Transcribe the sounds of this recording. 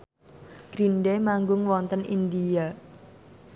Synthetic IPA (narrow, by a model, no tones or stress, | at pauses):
ɡ̥ɾinɖemaŋɡʊŋwɔnt̪ənind̪ia